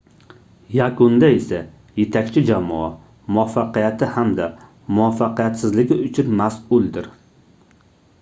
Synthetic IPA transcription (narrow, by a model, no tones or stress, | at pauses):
jakʊnd̪ae̞sa | je̞t̪ʰakʲt͡ʃʰɪd͡ʒamɒ̰a | mʊafaqɨjat̪ʰɪhamd̪a | mʊafːaqɨjat̪sɪzlɪɡʲɪʊt͡ʃʰʊnmasʊlˠd̪ɪɾ